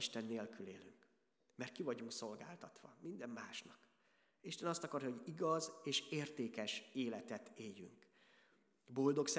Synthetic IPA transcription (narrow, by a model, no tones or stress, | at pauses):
iʃt̪ɛnːeːlkylḛːlyŋk | mɛrt̪̚kivɒɟuŋkso̞lɡa̰ːlt̪ɒt̪ʋɒ̰mind̪ɛmːaːʃnɒk | iʃt̪ɛnɒst̪ɒkɒrjɒɦo̞ɟiɡɒzeːʃeːrt̪eːkɛʃeːlɛt̪ɛt̪eːjːy̰ŋk | bo̞ld̪o̞ks